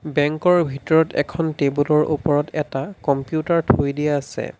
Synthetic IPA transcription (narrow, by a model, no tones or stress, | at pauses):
bɛŋkɔɹbʱitɔɹɔtɛ̰kʰɔntebulɔɹʔṵpɔɹɔtɛtakɔmpijutaɹtʰojdiɛasɛ̰